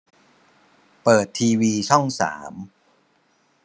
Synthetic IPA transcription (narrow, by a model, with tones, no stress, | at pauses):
pɤː˨˩t̪ʰːiː˧wiː˧t͡ɕʰɔ˥˩ŋsa̰ː˩˦m